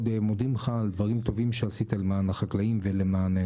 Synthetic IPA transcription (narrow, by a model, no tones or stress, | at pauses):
d̪emod̪imχald̪vaʁimt̪o̞vimʃeasit̪alemaːnaχaklaimvelemaːne